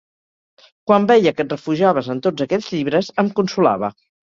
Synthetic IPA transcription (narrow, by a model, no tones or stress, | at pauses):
kwambɛjəkət̪rəfuʒaβəzənt̪odd͡zəkɛd͡zʎiβ̞ɾəzəmkunsula̰β̞ə